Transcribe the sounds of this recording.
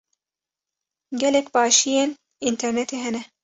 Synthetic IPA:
ɡʲɛlekbɑːʃijen | int̪ʰɐɾnet̪eɦɐnɛ

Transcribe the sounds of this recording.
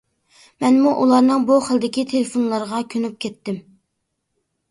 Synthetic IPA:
mɛnmuʔulˠɑɾnɨŋbuχəlˠd̪ɪkʲit̪ʰelefonlˠɑɾʁɑkʲʰønyp̚kʲʰɛt̪ːɪm

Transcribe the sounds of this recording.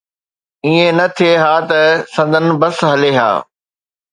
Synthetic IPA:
iːẽnɐt̪ʰieɦaːt̪ɐsɐ̃nd̪ʱən̆bɐsɦɐleːɦa̰ː

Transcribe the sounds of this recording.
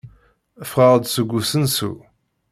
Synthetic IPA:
əfʁəʁəd̪səɡʷːusənsṵ

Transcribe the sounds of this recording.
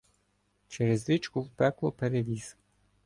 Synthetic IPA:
t͡ʃɛɾezd̪it͡ʃkʊwpɛklˠɔpeɾeʋʲiz̥

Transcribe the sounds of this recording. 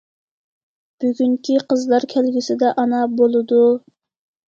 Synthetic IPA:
b̥yɡʲyŋkʲiqʰəzlˠɑɾkʲʰælɡʲisɪd̪ɛʔɑnɑbolˠɨd̪u

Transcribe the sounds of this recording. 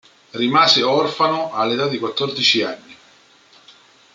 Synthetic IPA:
rimaːzɪɔrfanʊalːet̪ad̪ːikwat̪ːɔrd̪it͡ʃianːi

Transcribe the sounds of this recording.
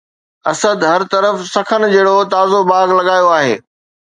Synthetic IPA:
ɐsəd̪ɦɐɾt̪ɐɾəfsɐkʰənɪ̆d͡ʑeːɽot̪aːzobaːɡlɐɠaːjoaːɦḛː

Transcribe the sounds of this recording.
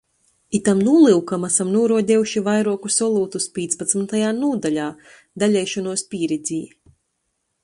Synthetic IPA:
it̪amnuɔlˠiwkamasamnuɔɾuɔd̪ʲɛjuʃivajɾuɔkusɔlˠuːt̪uspʲiːt̪spat̪smnt̪ajaːnuɔd̪alʲaː | d̪alʲɛjʃɔnuɔspʲiːɾid̪zʲiː

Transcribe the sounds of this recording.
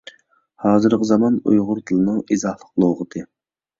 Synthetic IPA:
hɑːzɨɾqəzɑmɑnṵjʁʊɾt̪ʰɨlˠɨnɨŋizɑhlˠəqlˠowʁət̪ʰɨ

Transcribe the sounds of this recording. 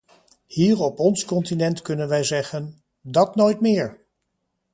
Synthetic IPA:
hiːɹɔpɔnskɔntinɛntkɵnənʋɛjzɛχən | dɑtnojtmɪːɹ

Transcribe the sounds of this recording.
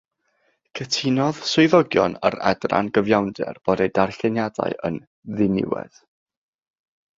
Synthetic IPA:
kʰətʰɪnɔðsʊɨðɔɡjɔnəɾɛ̰dra̰nɡəvjawndɛ̰rb̥ɔdejdarɬɛnjada̰ɨʔən | ðɪnɪ̰wɛ̰ð̥

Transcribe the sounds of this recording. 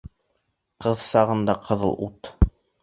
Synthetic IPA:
qɤðsɑʁɤ̆nd̪ɑqʰɤ̆ðɤ̰̆lˠut̪

